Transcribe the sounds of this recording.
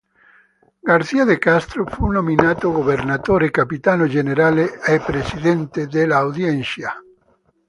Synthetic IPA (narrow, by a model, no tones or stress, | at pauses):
ɡaɾθiaðekast̪ɾofunominat̪oɣoβeɾnat̪oɾekapit̪anoʒeneɾaleepɾesiðent̪eðelaːwðjensja